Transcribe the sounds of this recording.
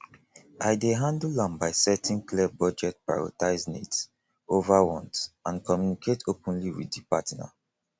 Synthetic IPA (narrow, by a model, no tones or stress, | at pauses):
aɪdeɦãndlãmbaɪsɛtʰĩnklɛbɔd͡ʒɛt̚pa̰ɹɔ̰taɪznḛts | ovaɹɔ̃ntãnkɔmjunikʰetopɔ̃nliwḭddipatna̰